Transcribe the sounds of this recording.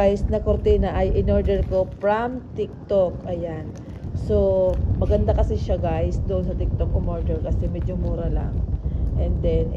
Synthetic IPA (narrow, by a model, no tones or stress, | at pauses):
ajsnɐkoɾt̪inɐʔɐjʔɪnoɹd̪ɛɹko̞pɹamt̪ɪk̚t̪okʔɐjan | so̞mɐɡɐnd̪akɐsɪʃaɡajsd̪oʔonsɐt̪ɪk̚t̪ok̚ːomoɹd̪ɛɹkɐsɛmɛd͡ʒomuːɾɐla̰ŋʔɛnd̪ɛn